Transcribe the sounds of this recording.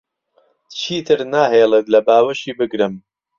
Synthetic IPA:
t͡ʃʰiːt̪ʰɨɾnaːɦejlˠet̪lɐbaːwɐʃiːbɨɡɾɨm

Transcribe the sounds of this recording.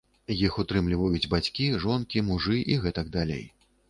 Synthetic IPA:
jixut̪ɾɨmlʲivɐjud͡zʲbat͡sʲkʲiʐɔnkʲimuʐɨʔiɣɛt̪ɐɡ̚d̪alʲḛj

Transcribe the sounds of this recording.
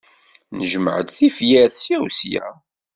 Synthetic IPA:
nəʒəməʕəd̪θifjæθsjæwsjæ̰

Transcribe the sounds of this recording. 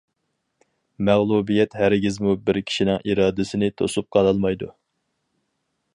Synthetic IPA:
mæʁlˠubijɛt̪hæɾɡʲizmubɪɾkʲʰi̥ʃinɪŋiɾɑːd̪ɪsɪnɪt̪ʰo̰sup̚qʰɑlˠɑlˠmɑjd̪ṵ

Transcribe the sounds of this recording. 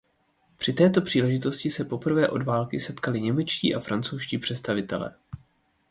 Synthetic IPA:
pr̝̥ɪt̪ɛːt̪o̞pr̥iːlɛʒɪt̪o̞scɪsɛpo̞pr̩vɛːʔo̞dvaːlkɪsɛt̪kalɪɲɛmɛt͡ʃcḭːʔafɾant͡sowʃciːpr̥ɛt̪st̪avɪt̪ɛlɛ̰ː

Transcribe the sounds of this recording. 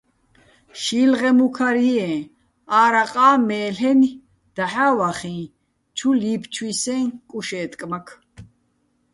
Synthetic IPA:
ʃiːlʁɛmukʰaɾiɛ̃ | aːɾaqʼaːmɛːlɛni | d̪̥aħaːwaχĩː | t͡ʃʰuliːpʰt͡ʃʰwisɛ̃ŋkʼuʃɛːt̪ʼkʼmakʰ

